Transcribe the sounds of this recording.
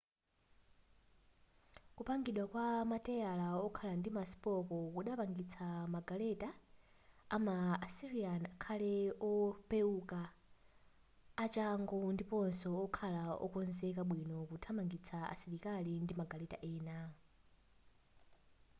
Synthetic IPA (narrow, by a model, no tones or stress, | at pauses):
kupaŋɡiɗwakwamatɛalaɔkʰalandimasi̥pɔkɔkuɗapaŋɡit͡sʰamaɡalɛtaː | maasiɾianakʰalɛɔpeuka | t͡ʃaŋɡɔndipɔnsɔɔkʰalaɔ̰kɔnzɛkaɓwinɔkutʰamaŋɡit͡sʰaa̰siɾikalindimaɡalɛta̰ʔɛːna